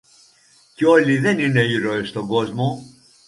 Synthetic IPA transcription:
ceo̞liðe̞nine̞iɾo̞est̪oɡo̞zmo

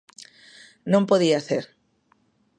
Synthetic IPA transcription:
nõmpoðiaθeɾ

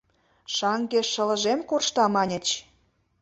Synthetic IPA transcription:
ʃɑŋɡeʃə̆lə̆ʒemkorʃt̪ɑmɑnʲə̆t͡ɕ

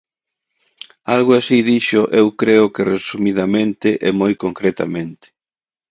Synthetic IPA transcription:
alɣʊasiðiʃʊʔewkɾeʊkɪresumiðamẽnt̪ɪʔɛmojkoŋkɾet̪a̰mẽnt̪ɪ̥

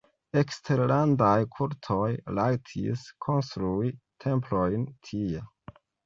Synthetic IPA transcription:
e̞kstʰe̞ɾlandajkʰuɾtʰo̞jlajtʰḭskʰo̞nstɾuitʰe̞mplojntʰie

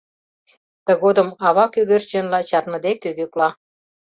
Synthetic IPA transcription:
t̪ə̆ɣod̪ə̆mɑβɑkyɣørt͡ɕĕnlɑt͡ɕɑrmə̆d̪ekyɣøklɑ

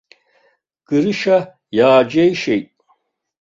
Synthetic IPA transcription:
ɡ̥ɨɾɨʃa | jaːd͡ʒejʃejtʼ

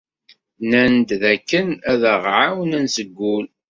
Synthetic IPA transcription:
nænd̪ðækːənæðəʁʕawnənsəɡʷːul

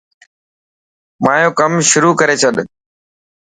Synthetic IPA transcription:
maːjõːkəmʃʊɾuːkəɾeːt͡ʃʰəɗ

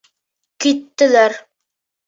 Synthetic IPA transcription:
kit̪ːɘ̆læɾ

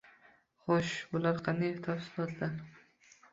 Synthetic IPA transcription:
χɔʃbʊlaɾqʰɑnd̪ajt̪ʰafsɪlˠɒt̪ʰlaɾ

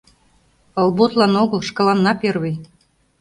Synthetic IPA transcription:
ɤ̆lˠbot̪lɑnoɣəlʃkɤ̆lɑnːɑperβĕj

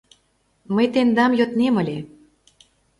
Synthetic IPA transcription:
məjt̪end̪ɑmjot̪nemə̆lʲe

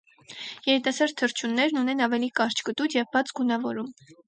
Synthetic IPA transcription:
jɛɾit̪ɑsɑɾt̪ʰːəɾt͡ʃʰunːɛɾnunɛnɑvɛlikɑɾt͡ʃʰkət̪ut͡sjɛvbɑt͡sɡunɑvɔɾum

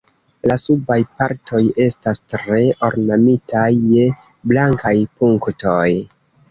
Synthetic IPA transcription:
lasubajpaɾtʰo̞je̞stastɾe̞o̞ɾnamitʰajːe | blaŋkajpuŋkto̞j

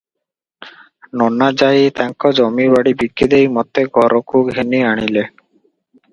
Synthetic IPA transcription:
nɔnad͡ʑajt̪aŋkɔd͡ʒɔmibaɽibikːid̪ejmɔt̪eɡʱɔɾokukɦeniaɽ̃ile

